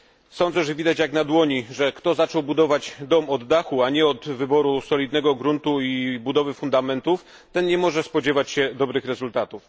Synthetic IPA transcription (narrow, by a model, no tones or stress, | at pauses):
sɔnd̪zɛʐɛvʲid̪at͡ɕjaknad̪wɔɲiʐɛkt̪ɔzat͡ʂɔwbud̪ɔvad͡ʑd̪ɔmɔd̪ːaxuaɲɛɔd̪vɘbɔɾusɔlʲid̪nɛɡɔɡɾunt̪uibud̪ɔvɘfund̪amɛnt̪uf | t̪ɛnɲɛmɔʐɛspɔd͡ʑɛvat͡ɕɕɛd̪ɔbɾɘxɾɛzult̪at̪uf